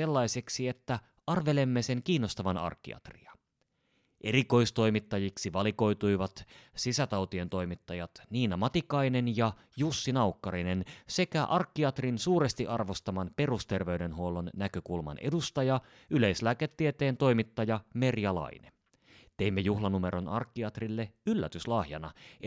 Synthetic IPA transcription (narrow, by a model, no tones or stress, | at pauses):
elːɑjse̞ksie̞t̪ːæ | ɑrʋe̞le̞mːese̞ŋkiːnːo̞st̪ɑʋɑnɑ̰rkːḭɑ̰t̪rḭɑ | ʔe̞ɾiko̞jst̪o̞jmit̪ːɑjiksiʋɑliko̞jt̪ujʋɑt̪sisæt̪ɑwt̪ie̞nt̪o̞jmit̪ːɑjɑt̪niːnɑmɑt̪ikɑjne̞njɑ | jusːinɑukːɑɾine̞nse̞kæʔɑrkːiɑt̪rinsuːɾe̞st̪iʔɑrʋo̞st̪ɑmɑnpe̞rust̪e̞rʋe̞ɥde̞nɦuo̞lo̞nːækø̞kulmɑ̰nʔedust̪ɑjɑ | yle̞jslæːket̪ːiet̪e̞ːnt̪o̞jmit̪ːɑjɑme̞rjɑlɑ̰inen | t̪e̞imːejuhlɑnume̞ɾo̞nɑrkːiɑt̪rilːe̞ylːæt̪yslɑhjɑnɑ